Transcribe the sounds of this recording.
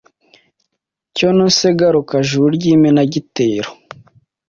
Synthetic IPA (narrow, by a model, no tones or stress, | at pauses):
conoseɡaɾokaʒuɾɟiːmenaɟiteːɾo